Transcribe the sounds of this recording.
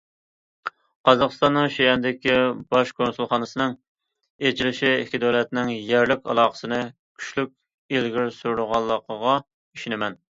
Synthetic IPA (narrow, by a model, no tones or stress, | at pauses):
qɑzɑqəst̪ɑnːɨŋʃejɛnd̪ɪkʲibɑʃkʰonsulˠχɑːnɨsɨnɨŋ | et͡ʃʰilɪʃiekʲʰid̪oɾɛt̪nɪŋjæɾlɪkʲɑ̰lˠɑːqə̥sɨnɨ | kʲʰy̥ʃlyk̚ʲ | elɡʲiɾsuɾɾʊʁɑlˠːəqʰəʁɑ | iʃinɪmɛn